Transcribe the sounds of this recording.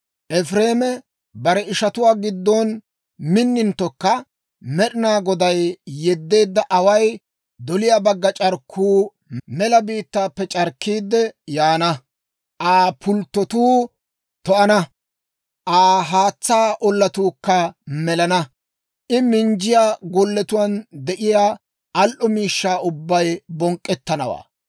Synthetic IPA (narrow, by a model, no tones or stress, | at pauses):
ʔɛfɾe̞ːmɛ | bɐɾɛɪʃɐt̪ʊwaːɡɪd̪ːɔn | mɪnːɪnt̪ːɔkːɐ | mɛɗɪnaːɡɔd̪ɐjːɛd̪ːe̞ːd̪ːɐʔɐwɐj | d̪ɔlɪjaːbɐɡːɐt͡ʃʼɐɾkʰːuː | mɛlɐbiːt̪ːaːpːɛt͡ʃʼɐɾkːiːd̪ːɛjaːnɐ | ʔaːpʊlt̪ːɔt̪uː | t̪ɔʔɐnɐ | ʔaːɦaːt͡sːaːʔɔlːɐt̪uːkːɐmɛlɐnɐ | ʔɪmɪnd͡ʒɪjaːɡɔlːɛt̪ʊwɐnd̪ɛʔɪjaː | ʔɐlʔɔmiːʃːaːʊbːɐjbɔŋkʼːɛt̪ːɐnɐwa̰ː